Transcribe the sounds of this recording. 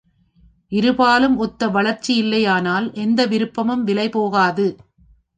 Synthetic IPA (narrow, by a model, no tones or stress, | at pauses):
ʔɪɾɯbaːlɯmɔt̪ːɐʋɐɭɐɾt͡ʃːijɪlːɐjaːnaːlʔɛnd̪ɐʋɪɾɯpːɐmɯmʋɪlɐɪpoːɣaːðɯ